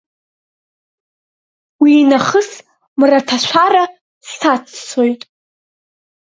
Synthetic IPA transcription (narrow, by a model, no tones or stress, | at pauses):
wiːnaχəs | mratʰaʃʷʰara | stʰat͡sʰt͡sʰojtʼ